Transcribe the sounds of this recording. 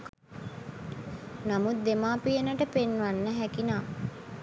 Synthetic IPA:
namut̪̚d̪emaːpijənəʈəpenːʋanːəɦækinaː

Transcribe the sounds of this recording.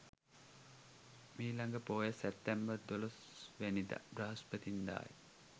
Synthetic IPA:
miːlaŋɡəpoːjəsɛpt̪ːæmbərd̪olos | ʋænid̪a̰braɦɐspət̪ind̪a̰ːj

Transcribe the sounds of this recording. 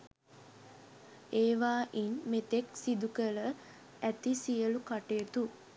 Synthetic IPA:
eːʋaːʔinmet̪eksid̪ukələ | æt̪isijəlukaʈeət̪u

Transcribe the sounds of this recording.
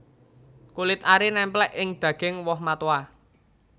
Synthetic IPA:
kulɪt̪̚aɾinɛmplɛʔɪŋd̪̥ä̤ɡ̥ɪŋwɔhmat̪wa

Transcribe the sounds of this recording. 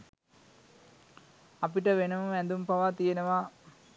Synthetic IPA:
apiʈəʋenəməænd̪umpaʋat̪ijenəʋa

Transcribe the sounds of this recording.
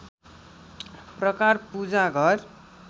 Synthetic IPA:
prʌkarpud͡zaɡʱʌr

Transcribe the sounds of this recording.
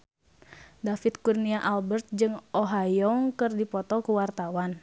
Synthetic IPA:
dafit̪̚kurniaʔalbərt̪̚d͡ʒɨŋɔɦajɔŋkɨrdipɔt̪ɔkuwart̪awan

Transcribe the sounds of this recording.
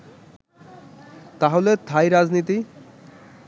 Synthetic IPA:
t̪aɦolet̪ʰajɾad͡ʑnit̪i

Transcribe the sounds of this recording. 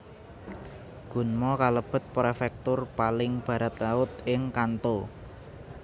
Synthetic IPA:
ɡ̥ṳnmɔkaləb̥ə̤t̪̚pɾefɛk̚t̪ʊrpalɪŋb̥ä̤ɾat̪laʊt̪̚ɪŋkant̪o

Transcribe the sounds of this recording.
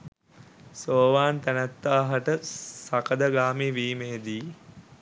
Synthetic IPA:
soːʋaːnt̪ænæt̪ːaːɦɐʈəsɐkəd̪ɐɡaːmiːʋiːmeːd̪iː

